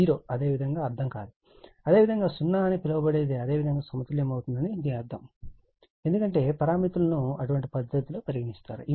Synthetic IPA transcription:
iːɾoːɐd̪e̞ːʋid̪ʱɐŋɡaːɐɾd̪ʰʱɐmka̰ːd̪u | ɐd̪e̞ːʋid̪ʱɐŋɡaːsunːaːɐnipilɐʋɐbɐɽeːd̪eɐd̪e̞ːʋid̪ʱɐŋɡaːsɐmɐt̪ɐljɐmɐwut̪und̪ɐniːd̪iɐɾd̪ʰɐm | e̞nd̪ukɐɳʈe̞ːpɐɾaːmit̪ulɐnuɐ̰ʈuʋɐɳʈipɐd̪ːɐt̪iloːpɐɾjɐɡɐnist̪a̰ːɾṵʔi

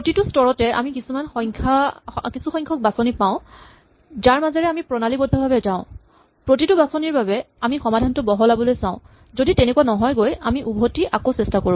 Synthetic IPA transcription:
pɹotitʊstɔɹɔtɛa̰mikisumanxɔjŋkʰakisũxɔ̃j̃ŋkʰɔk̚basɔnipãʊ̃ | zaɹmazɔɹɛamipɹɔnalibodʱɔbʱabɛzãʊ̃ | pɹotitubasɔniɹbabɛ | amixɔmadʱantʊbɔɦɔlabɔlojsãʊ̃ | zoditɛnekuwanɔɦɔjɡojamiʔubʱotiʔakosɛstakoɹu

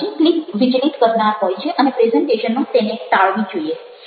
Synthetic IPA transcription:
iklikʋid͡ʒlit̪kəɾɳaɾpəɦjt͡ʃʰeʔənepɾezəɳʈeʃənːut̪enet̪aɭʋĩd͡ʒoie

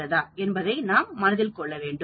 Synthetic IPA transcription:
ɐðãːɛnbɐðɐɪnaːmːɐnɐðɪlkɔɭːɐʋeːɳɖɯ

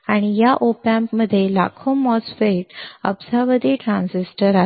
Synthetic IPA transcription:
aɽ̃ijaʔopãmpməd̪ʱːjela̰kʰumʋɔzfeʈəbsəɾʋəd̪iːʈɾãnsisʈəɾa

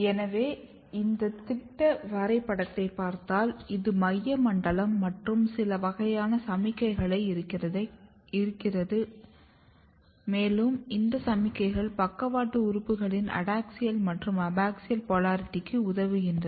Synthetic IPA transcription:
ɛnɐʋeː | ɪnd̪ɐt̪ɪʈːɐʋɐɾɐɪpːɐɽɐt̪ːɐɪpːaːɾt̪aːlɪðɯmɐjːɐmɐɳɖɐɭɐmːɐʈrɯmsɪlɐʋɐɣɐjaːnɐsɐmɪkːɐɪɣɐɭɐɪɪɐ | ɪɾɯkːɪrɐðɯ | meːlɯmɪnd̪ɐsɐmɪkːɐɪɣɐɭpɐkːɐʋaːʈːɯʊɾʊpːɯɣɐɭɪnɐ̰ɽaːksɪjɐlmɐʈrɯmɐbaːksɪjɐlpɔlaːɾt̪ːɪkːɯʊðɐʋɯɣɪndrɐðɯ

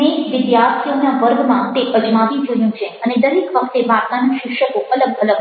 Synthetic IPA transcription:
eʋɪd̪jaɾt̪ʰijonaʋəɾɡmãt̪eʔəd͡ʒmaʋĩd͡ʒoɦjũt͡ʃʰeəned̪əɾekʋək̚ʰt̪eʋat̪nanaʃɪkʃəkoələɡələɡ

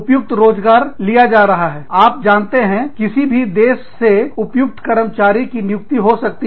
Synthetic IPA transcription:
pjʊk̚t̪ɾoːzɡaːɾlijad͡ʒaːɾɐɦaɦɛːaːp̚d͡ʒaːnt̪eɦɛ̃kɪsibʱid̪eːʃːeʊpjʊk̚t̪kɐɾəmt͡ʃaːɾikinjʊk̚t̪iɦosɐk̚t̪i

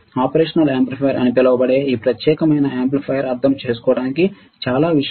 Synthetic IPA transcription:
aːpɐɾeːʂɐnɐleːmplipʰɐjɐɾʔɐ̰nipilɐʋɐbɐɽeːiːpɾɐt̪jɛːkɐmɐjnɐeːmplipʰɐjɐɾɐɾd̪ʱɐmt͡ʃe̞ːs̬u̥kɔːɐɽaːniki | t͡ʃaːlaːʋiʂ

